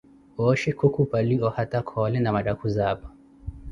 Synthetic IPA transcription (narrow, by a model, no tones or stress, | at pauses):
ɔʃɛkukupaliɔhatakʰɔlɛnamaɗakuzaba